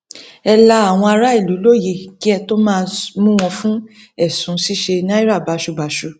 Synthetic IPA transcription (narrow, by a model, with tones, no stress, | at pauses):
ɛ˧la˧˦a˨w̃ɔ̃˧a˧ɾa˦i˦˨lu˨˦lo˦˨je˧˨ki˦ɛ˧to˦mãː˦˧mũ˦w̃ɔ̃˧fũ˦ | ɛ˦˨sũ˨˦si˦ʃe˧nã˦i˦ɾa˦˨ba˨ʃu˧ba˨ʃu˧